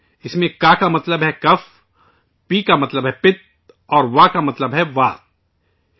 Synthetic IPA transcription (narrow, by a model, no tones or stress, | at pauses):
ɪsmẽkaːkamɐt̪ləbɦɛkɐf | piːkamɐt̪ləbɦɛpɪt̪̚ | ɔːɾʋakamɐt̪ləbɦɛʋaː